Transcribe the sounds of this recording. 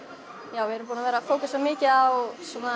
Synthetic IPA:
jaːwvɪɛɾʏmpuːnavɛːɾafoːwkasamɪːcɪawsɔːna

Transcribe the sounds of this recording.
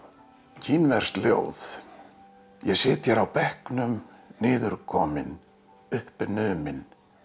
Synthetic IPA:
cʰinvɛr̥st̪ljo̰wθ | jɛsɪːt̪jɛɾawpɛhknʏmnɪːðʏɾkʰɔːmɪn | ʏhpɪnʏðmɪn

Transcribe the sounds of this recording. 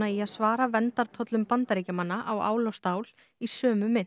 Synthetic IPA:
aiaðsvaːɾavɛnt̪aɾ̥t̪ʰɔt̪lʏmpant̪aɾeːcamanːaʔawa̰ːwlɔst̪aːwl | isœːmʏmɪn

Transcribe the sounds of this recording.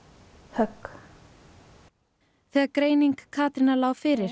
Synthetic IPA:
hœk | θiːakɾeːjniŋkʰːaːt̪ɾɪnalaːwfɪɾɪɾ̥

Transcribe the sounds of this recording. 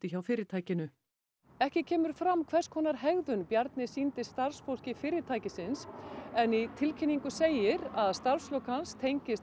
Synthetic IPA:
t̪ɪçawfɪːɾɪɾt̪ʰaːjcɪnʏ | ɛhcɪcʰɛːmʏɾ̥fɾamkʰvɛr̥skʰɔːnaɾɦɛɣðʏnpjaɾt̪nɪsint̪ɪsst̪aɾ̥sfowl̥cɪfɪːɾɪɾt̪ʰaːjcɪsɪnsɛnit̪ʰɪlcʰɪnːiŋkʏseːjɪɾaðst̪aɾfslœwkanst̪ʰejɲcɪs

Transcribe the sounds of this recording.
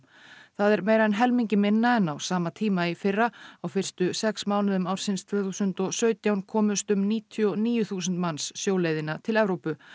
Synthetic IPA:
θaðɛɾmeːjɾaðɛnɦɛlmiɲcɪmɪnːaɛnawsaːmat̪ʰiːmaifɪrːaawfɪr̥st̪ʏsɛksmaːwnɪðʏmaːwɾ̥sɪnst̪ʰv̥œːθuːsʏnt̪ɔɣsœːɥt̪jawnkʰɔːmʏst̪ʏmniːt̪ʰiɔniːjʏθuːsʏnt̪mansːjoːwleːjðɪnːat̪ʰɪlɛvɾowpʏ

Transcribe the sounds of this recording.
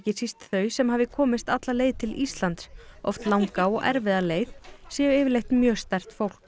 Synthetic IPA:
cɪsist̪θœɥsɛmhavðɪkʰɔːmɪst̪at̪laleːjðt̪ʰɪlist̪lant̪sɔ̰ft̪lawŋkaɔɣɛ̰ɾvɪðaleːjðsɛʏɪːvɪɾlejht̪mjœːst̪ɛr̥t̪fowl̥k

